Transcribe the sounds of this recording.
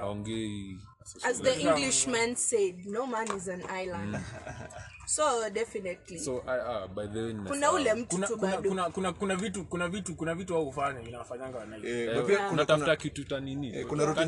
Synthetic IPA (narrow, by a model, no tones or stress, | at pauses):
a̰ɔŋɡɛi | azðəĩŋɡliʃmãnsed̚nomãnizãnajlãnd | sodɛfinɛtlisoʔaabajðɛnkunaulɛm̩tunaukbadunakunakunavitukunavitukunavituaɔhufaɲavinawafaɲaŋɡawanaiɛɛapiakunataftakitutaniniɛkunaɾut